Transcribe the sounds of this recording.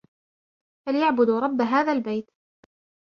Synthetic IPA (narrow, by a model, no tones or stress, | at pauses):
faljaʕbʊd̪ɾˤɑbːaɦaːðaːlbajt̪